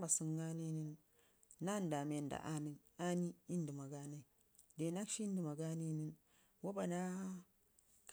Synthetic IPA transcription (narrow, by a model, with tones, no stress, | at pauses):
ba˨su˦ŋɡa˦ni˦ni˦nː | a˦nda˨me˨nda̰˨ʔa˦ni˦n | a˦ni˦i˦ndi˨ma˨ɡa˦na˦i˨ | de˨na˦kʃi˦ndi˨ma˨ɡa˦ni˦ni˦n | wo˦ba˨na˦ | k